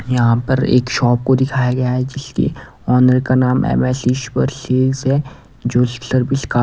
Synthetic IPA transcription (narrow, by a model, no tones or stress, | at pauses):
jɐɦãpɐɾḛːkʃɔːp̚kod̪ɪkʰaːjaɡɐjaɦɛd͡ʒɪskḛ | ɔːnəɾkanaːmʔɛ̰ːmɛːsiʃpəɾseːzɦɛ | d͡ʒoːsəɾbɪskaː